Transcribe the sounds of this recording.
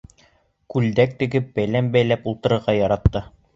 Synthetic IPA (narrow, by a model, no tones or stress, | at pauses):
kʉld̪æk̚t̪ɘ̆ɡɘp̚bæjlæmbæjlæpulˠt̪ɤ̆ɾɤ̆ɾʁɑjɒɾɑt̪ːɤ